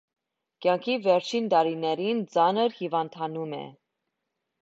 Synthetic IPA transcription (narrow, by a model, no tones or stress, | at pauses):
kjɑŋkʰivɛɾt͡ʃʰint̪ɑɾinɛɾint͡sɑnəɾhivɑnt̪ʰɑnumɛ̰